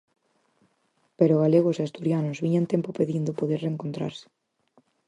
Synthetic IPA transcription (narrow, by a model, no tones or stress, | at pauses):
peɾoɣ̞aleɣ̞osast̪uɾjanʊzβiɲãnt̪empopeðind̪ʊpoðeɾreŋkõnt̪ɾa̰ɾsɪ̥